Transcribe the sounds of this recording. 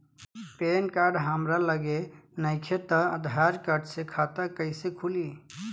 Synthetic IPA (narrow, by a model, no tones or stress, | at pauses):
penkaɾɖɦəmɾaləɡenəɪkʰet̪əə̰d̪ʱaɾkaɾɖsekʰat̪əkəɪsekʰuli